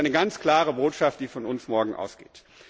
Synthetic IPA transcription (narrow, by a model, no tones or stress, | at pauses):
aɪnəɡant͡skl̥aːʁəboːtʃaft̚d̥iːfɔnʊnsmɔɐɡŋ̩ʔa̰ʊsɡ̥ḛːt